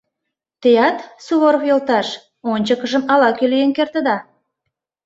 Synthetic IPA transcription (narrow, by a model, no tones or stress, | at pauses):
t̪ejɑt̪suβoɾofjolt̪ɑʃ | onʲt͡ɕəkə̆ʒəmɑlɑkylijenkert̪ə̆d̪ɑ